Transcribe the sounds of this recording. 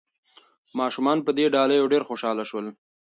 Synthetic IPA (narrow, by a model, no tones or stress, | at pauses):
mɑʃumɑnpəd̪eɖɑlajoɖeɾxoʃɑlaʃwəl